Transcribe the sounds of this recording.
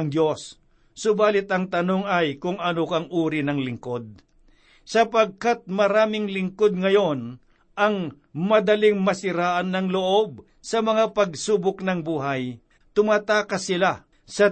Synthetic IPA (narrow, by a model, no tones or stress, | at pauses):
ŋd̪jo̞sː | ʊbaːlɪt̪ɐŋt̪ɐnoŋɐjkʊŋɐnokɐŋʔuːɾɪnɐŋlɪŋkod̪̚ | sɐpɐɡ̚kat̪̚mɐɾaːmɪŋlɪŋkod̪̚ŋɐjo̞n | ʔɐŋ | mɐd̪ɐlɪŋmɐsɪɾaːʔɐnːɐŋloʔo̞b̚ | sɐmɐŋapɐɡsuːbʊknɐŋbuːɦaj | t̪ʊmat̪aːkɐsɪla | sɐ